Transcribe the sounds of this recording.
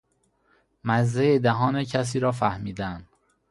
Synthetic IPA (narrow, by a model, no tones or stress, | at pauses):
mæzːejed̪æɦɒːnecʰæs̬iːɾɒːfæhmiːd̪ænd̪